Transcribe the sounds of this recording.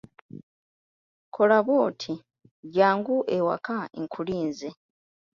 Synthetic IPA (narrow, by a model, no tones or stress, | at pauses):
kʰolaβoːtʰi | ɟaːŋɡuʔewa̰kaḛŋkʰuliːnze